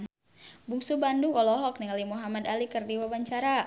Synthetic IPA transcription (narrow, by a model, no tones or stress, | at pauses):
buŋsubanduŋɔlɔɦɔk̚niŋalimuɦamadalikɨrdiwabaɲt͡ʃaɾa